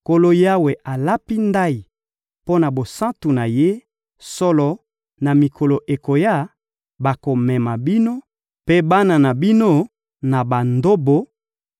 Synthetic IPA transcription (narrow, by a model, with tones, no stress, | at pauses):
ko˨lo˦ja˦we˨ʔa˨la˦pi˦nda˦i˨ | po˦na˨bo˨sã˦tu˨na˨je˦ | sɔ˦lɔ˨ | na˨mi˨kʰo˨lo˨ʔe˨ko˨ja˦˨ | ba˨ko˨mɛ˨ma˨bi˦no˦ | pe˦ba˦na˨na˨bi˦no˦ | na˨ba˨ndo˦bo˨